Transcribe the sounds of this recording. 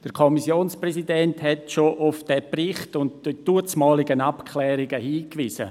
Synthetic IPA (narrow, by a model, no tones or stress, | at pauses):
d̥əɾkʰɔmisjoːnsprɛsidɛnthɛtʃoʔʊfd̥ɛprɪχtʊntdid̥uət͡smɑːliɡənapkʰlɛːɾɪɡəhiːkʋiːsə̰